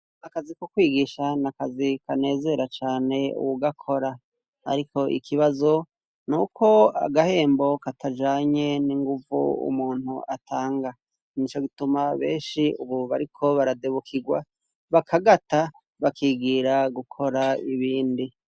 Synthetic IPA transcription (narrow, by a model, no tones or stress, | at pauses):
nakazikokwiːɡiʃanakazikane̞ːze̞ɾat͡ʃaːne̞ṵwuɡakʰo̞ɾa | a̰ɾikʰo̞ʔḭkʰiβazo̞ | nukʰo̞a̰ɡahe̞ːmbo̞katʰad͡ʒaːɲe̞niŋɡuvṵṵmuːnhṵʔatʰaːŋɡa | nit͡ʃo̞ɡitumaβḛːnʃiuβuβaɾikʰo̞βaɾadeβukʰiɡwa̰ | βakʰaɡata | βakiːɡiːɾaɡukʰo̞ɾaiβiːndi